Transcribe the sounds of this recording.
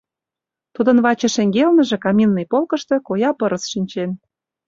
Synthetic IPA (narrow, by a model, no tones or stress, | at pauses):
t̪ud̪ə̆nβɑt͡ɕĕʃĕŋɡelnə̆ʒĕkɑminːɤjpolkə̆ʃt̪ɤ̆kojɑpɤ̆ɾə̆sʃinʲt͡ɕen